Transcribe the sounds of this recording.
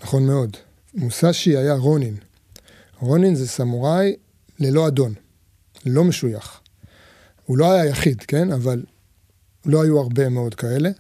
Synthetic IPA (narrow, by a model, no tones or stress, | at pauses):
naχo̞nme̞o̞d | musaʃiajaʁo̞nin | ʁo̞ninzesamuʁaj | le̞lo̞ad̪o̞n | elo̞me̞ʃujaχ | hulo̞ajajaχidke̞naval | lo̞ajuaʁbe̞me̞o̞d̪kae̞le̞